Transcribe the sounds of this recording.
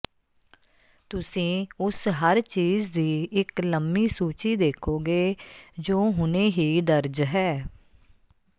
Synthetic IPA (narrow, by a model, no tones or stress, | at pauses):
t̪ʊsĩːʊsɦəɾt͡ʃiːzd̪iːʔɪkləmbiːsuːt͡ʃiːd̪eːkʰoːɡeːd͡ʒoːɦʊnẽːɦiːd̪əɾd͡ʒɦɛː